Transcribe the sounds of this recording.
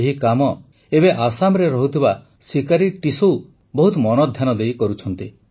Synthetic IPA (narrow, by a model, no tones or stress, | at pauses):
eɦikamɔ | ebeʔasamɾeɾɔɦut̪ʰiba | sikaɾiʈisow | bɔɦut̪ɔmɔnɔd̪ʱjanɔd̪ejkɔɾut͡ʃʰɔnt̪i